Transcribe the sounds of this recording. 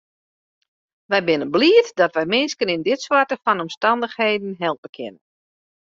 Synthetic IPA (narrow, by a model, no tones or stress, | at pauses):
ʋɛjbɪnənbliətdɔtʋɛjmɪnskənɪndɪtswartəfɔnɔmstɑndəxheːdn̩ɦɛlˠpəkʰɪ̰nən